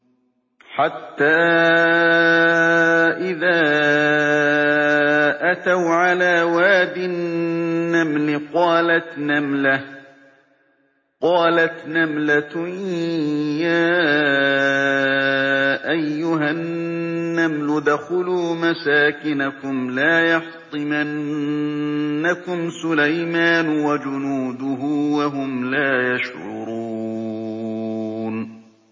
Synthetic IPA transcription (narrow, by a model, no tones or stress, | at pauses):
ħat̪ːaː | ʔɪðaː | ʔat̪awʕalaːwaːd̪ɪnː | amlɪqɑːlat̪namlah | qɑːlat̪namlat̪ | jaː | ʔajːʊɦaː | amlʊd̪axʊluːmasaːkɪnakʊmlaːjɑħt̪ˤɨman | akʊmsʊlajmaːnwad͡ʒʊnuːd̪ʊɦʊːwaɦʊmlaːjaʃhʊɾ̰ɾuː | n